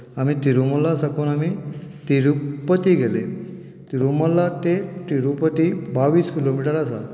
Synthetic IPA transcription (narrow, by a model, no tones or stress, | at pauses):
amit̪iɾuməlːasakuːnamit̪iɾupət̪iːɡele | t̪iɾuməlːat̪eʈ̪iɾupət̪ibaʋiːskilomiʈəɾasa̰